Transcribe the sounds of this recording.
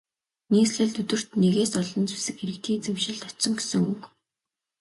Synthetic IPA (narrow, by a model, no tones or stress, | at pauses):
niːsɮɘ̆ɮt̪ɵt̪ɘ̆r̥t̪neɣeːsɔɮɞ̆nt͡su̥sɘ̆kxeɾɘ̆k̚t̪ʰiːnt͡sewʃɪ̆ɮt̪ɔsɞ̆ŋɡesɘ̆ŋɵk